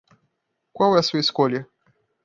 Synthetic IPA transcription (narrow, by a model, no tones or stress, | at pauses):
kwawɛɐsuɐiskoljɐ